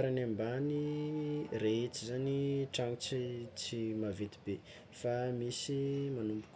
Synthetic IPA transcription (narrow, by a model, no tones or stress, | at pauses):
aɾanambani | reet͡sizaniʈ͡ʂaŋit͡sit͡simavet̪ibe | famisimanumbu̥kʲ